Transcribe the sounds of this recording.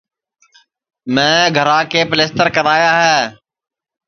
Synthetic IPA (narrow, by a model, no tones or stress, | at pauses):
mɛ̃ːɡʱəɾãːkeːpəleːst̪əɾkəɾaːjaːɦɛː